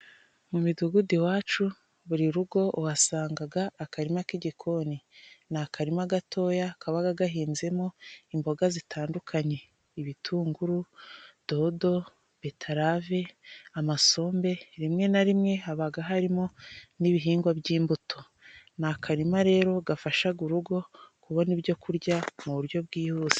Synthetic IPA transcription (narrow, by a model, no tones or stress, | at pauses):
mumiduɡudiwaːt͡ʃu | βuɾiɾuɡo̞ʔwasaːŋɡaɡaːkaɾimakiɟikʰo̞ninakaɾimaɡatʰo̞ːjakʰaβaɡaɡaɦiːnze̞mo̞imbo̞ɡazitʰaːndukʰaɲe̞ | iβitʰuːŋɡuɾud̥o̞do̞ | b̥e̞tʰaɾaveamaso̞ːmbe̞ɾimŋe̞naɾimŋe̞ɦaβaɡaɦaɾimoniβiɦiːŋɡwabɟiːmbutʰo̞ | nakʰaɾimaɾe̞ːɾo̞ɡafaʃaɡuɾuɡo̞kuβanibjo̞kuɾɟamuβuɾjo̞βb̚ɡiːhuːz̥e̥